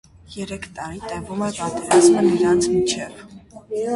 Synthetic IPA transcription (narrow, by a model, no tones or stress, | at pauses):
jɛɾɛkʰt̪ʼɑɾit̪ɛvumɛpɑt̪ʼɛɾɑzmɛniɾɑnt͡sʰmit͡ʃʰɛv